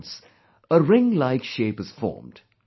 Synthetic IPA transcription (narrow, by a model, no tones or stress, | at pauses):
s | əɹɪ̃ŋlaɪkʃeːpɨz̥fɔ̰ːmd̥